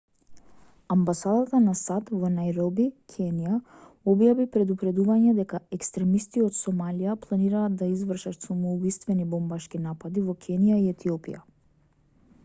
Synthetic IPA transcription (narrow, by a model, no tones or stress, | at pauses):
ambasad̪at̪anasat̪vɔnajɾɔbikʰɛnija | ɔbjavipɾɛd̪upɾɛd̪uvaɲɛd̪ɛkaɛkst̪ɾɛmist̪iot̪sɔmalijaplˠaniɾaːd̪d̪aizvr̩ʃat̪samɔubist̪vɛnibɔmbaʃkinapad̪ivɔkʰɛnijaiɛt̪ʰiɔpḭja̰